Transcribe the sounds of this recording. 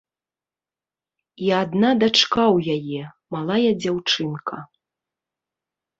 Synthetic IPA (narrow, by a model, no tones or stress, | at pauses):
iad̪nad̪at͡ʂkawjajɛ | malˠajɐd͡zʲawt͡ʂɨnkʰɐ